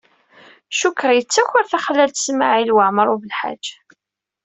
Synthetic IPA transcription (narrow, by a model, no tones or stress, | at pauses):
ʃukɾjət͡sːæçʊɾθaχəlːælt̪ə̥smaʕilwaʕməɾˤuvəlħa̰̥d͡ʒ